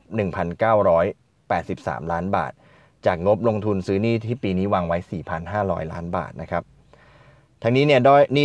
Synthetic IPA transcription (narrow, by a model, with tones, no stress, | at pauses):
p̚nɯ˨˩ŋpʰa˧nkaː˥˩wɾɔː˦˥j | pɛː˨˩t̪̚si˨˩p̚sa̰ː˩˦mlaː˦˥nba̰ː˨˩t̪̚ | t͡ɕaː˨˩k̚ŋo˦˥p̚lo˧ŋt̪ʰu˧nsɯː˦˥niː˥˩t̪ʰiː˥˩piː˧niː˦˥waː˧ŋwa˦˥jsiː˨˩pʰa˧nɦaː˥˩ɾɔ̰ː˦˥jla̰ː˦˥nba̰ː˨˩t̪̚na˦˥kʰɾa˦˥p̚ | t̪ʰa˧ŋniː˦˥ni˥˩ɐdaː˥˩jniː˥˩